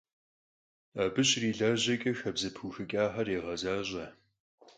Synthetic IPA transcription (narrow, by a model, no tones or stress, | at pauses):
abɨɕʼriːɮaːʑɐkʼɐxɐbzɐpʰuːxɨkʼaːħɐreːʁɐzaːʑʼɐ